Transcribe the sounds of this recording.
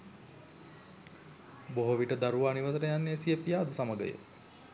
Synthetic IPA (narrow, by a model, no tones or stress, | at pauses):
boɦoʋiʈəd̪aɾuʋaːniʋət̪əɾəjanːesiepijaːd̪usaməɡə̰jə̰